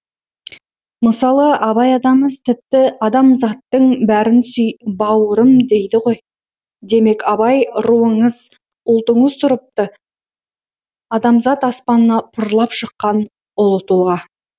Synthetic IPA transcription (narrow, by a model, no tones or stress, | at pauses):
məsɑlˠəʔɑβɑjɑd̪ɑməzt̪ʰɪp̚t̪ɪɑd̪ɑmzɑt̪ːəɴbæɾɪnsʏjbɑwəɾəmd̪e̞jd̪ɪʁo̞j | d̪e̞me̞kʰɑbɑjɾuəɴəz | ʊlˠt̪əɴəzt̪ʰʊɾəp̚t̪ə | ɑd̪ɑmzɑt̪ɑspɑnənɑpʰʊɾlˠɑpʃəqːɑn | ʊlˠət̪ulˠʁɑ